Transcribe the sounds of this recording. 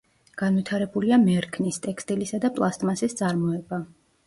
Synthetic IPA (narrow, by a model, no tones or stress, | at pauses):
ɡ̥anvwit̪ʰaɾɛbuliamɛɾkʰnist̪ʼɛkʰst̪ʼilisad̪apʼlˠast̪ʼmasist̪sʼaɾmɔɛba